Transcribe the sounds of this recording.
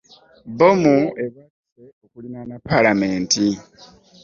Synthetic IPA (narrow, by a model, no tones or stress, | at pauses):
bomue̞βa | seokulinanapalame̞ːnti